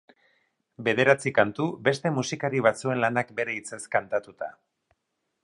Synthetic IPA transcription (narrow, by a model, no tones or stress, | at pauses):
be̞ð̞e̞ɾat͡sikant̪ube̞st̪e̞musikaɾiβ̞at͡sue̞nlanakbe̞ɾe̞it͡se̞skant̪at̪ut̪a̰